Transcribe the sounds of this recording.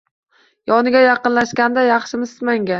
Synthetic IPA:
jɒnɪɡʲajɑqɨnlaʃkʲand̪ajɑχʃɪmɪzmaŋɡʲa

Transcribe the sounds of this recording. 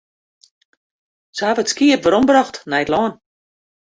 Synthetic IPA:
səavəətskiəpʋəɾɔmbraxtnɛjtlɔːn

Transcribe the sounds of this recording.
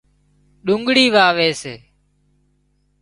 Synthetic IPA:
ɗʊŋɡɽiːʋaːʋeːseː

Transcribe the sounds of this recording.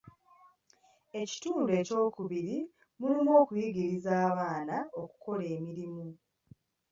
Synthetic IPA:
e̞ci̥tuːnde̞ːco̞ːkuβiɾi | mulimo̞ːkujiɡiɾizaːβaːnao̞ku̥ko̞le̞ːmiɾimu

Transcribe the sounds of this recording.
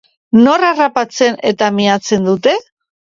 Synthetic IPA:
no̞rarapat͡se̞ne̞t̪amiat͡se̞nd̪ut̪e̞

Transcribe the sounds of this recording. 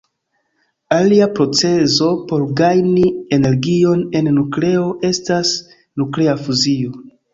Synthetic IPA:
aliapɾo̞t͡se̞zo̞po̞ɾɡajniene̞ɾɡio̞ne̞nːukle̞o̞ʔe̞stas | nukle̞afuzio̞

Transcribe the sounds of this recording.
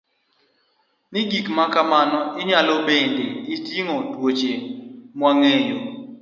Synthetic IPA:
nɪɡikmakamanɔɪɲalobendeɪtjiŋɔtwot͡ʃemwaŋejo

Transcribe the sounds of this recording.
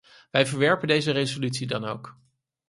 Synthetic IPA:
ʋɛjvəɹʋɛɹpəndejzərejzolytsidɑnowk

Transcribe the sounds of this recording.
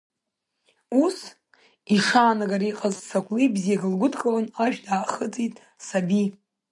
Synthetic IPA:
us | iʂaːnaɡaɾiqʼazsakʷʼlibzijaɡɨlɡʷʊdʰkʼalanaʒᶣdaːχət͡sʼitʼ | sabi

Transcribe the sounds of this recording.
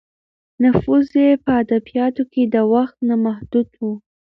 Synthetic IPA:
nʊfuzjepəad̪abijɑt̪oked̪əwaxt̪namahd̪ud̪wu

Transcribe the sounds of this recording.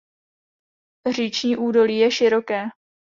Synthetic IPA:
r̝iːt͡ʃɲiːʔuːdo̞liːjɛʃɪɾo̞kɛː

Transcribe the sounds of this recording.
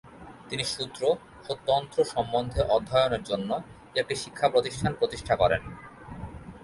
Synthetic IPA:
t̪iniʃut̪ːɾo | ʃot̪ːont̪ɾoʃɔmːond̪ʱeʔɔd̪ʱːaeoneɾd͡ʑonːo | ek̚ʈiʃi̥kʰːapɾot̪iʃʈʰanpɾot̪iʃʈʰakɔɾḛn

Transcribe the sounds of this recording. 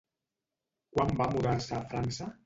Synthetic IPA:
kwambamuðaɾsaːfɾansa

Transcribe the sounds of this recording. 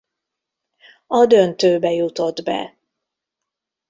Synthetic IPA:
ɒd̪ønt̪øːbɛjut̪o̞d̪bɛ̰

